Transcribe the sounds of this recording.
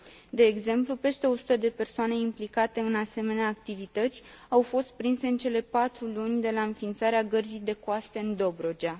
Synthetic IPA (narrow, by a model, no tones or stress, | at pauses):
d̪e̞ːɡze̞mplupe̞st̪e̞o̞su̥t̪əd̪e̞pe̞rsoane̞implikat̪e̞ɨnase̞me̞neaːk̚t̪ivit̪ət̪sʲ | awfo̞st̪̚pɾinse̞ɨnt͡ʃe̞le̞pat̪ɾulunʲd̪e̞laɨnfint̪saɾeaɡərzijd̪e̞koast̪e̞ɨnd̪o̞bɾo̞d͡ʒa